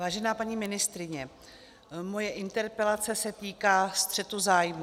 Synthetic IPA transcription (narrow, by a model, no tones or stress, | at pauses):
vaːʒɛnaːpaɲiːmɪnɪst̪ɾɪɲɛ | mo̞jɛʔɪnt̪ɛɾpɛlat͡sɛsɛt̪iːkaːst̪r̝̥ɛt̪uzaːjmu